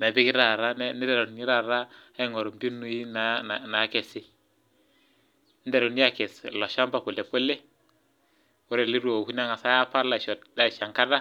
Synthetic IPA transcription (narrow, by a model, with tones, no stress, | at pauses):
mɛ˨bi˦kɪ˦ɾa˨ɾa˦n˦nɪ˦da˨ɾo˨n˨ɲi˦ɾa˨ɾa˦a˦˨ŋɔ˨ɾɔ˨mbi˦nu˦i˦na˨˦a˨na˨˦kɛ˨sɪ˦ | nɪ˦da˨ɾo˨ni˦a˨kɛ˨slɔ˨ʃa˦mba˨po˨lɛ˨po˦le˦ | wɔ˦ɾɛ˨li˦ɾu˦o˨hu˦n˦a˦ŋa˨sa˦ja˦pa˦ɾla˨ʃɔ˨da˦˨ʃa˨ŋka˦da˦